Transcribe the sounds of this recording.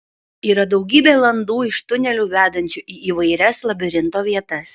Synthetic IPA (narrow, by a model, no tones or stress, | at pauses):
iːɾɐd̪ɒʊɡʲiːbʲeːlˠɐnd̪uːɪʃt̪ʊnʲɛlʲuːʋʲæːd̪ɐnʲt͡ʃʲʊʔiːʔiːʋɐɪɾʲɛslˠɐbʲɪɾʲɪnt̪oːʋʲiɛt̪ɐs